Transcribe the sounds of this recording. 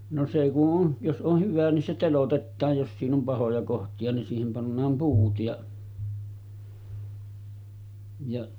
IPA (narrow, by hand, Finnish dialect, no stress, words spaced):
no se kuʔ ʔon jos ʔoh hyʋæ nin se telotetːɑːj jos siːn om pɑhojɑ kohtiɑ nin siːhem pɑnːɑːm puːt jɑ jɑ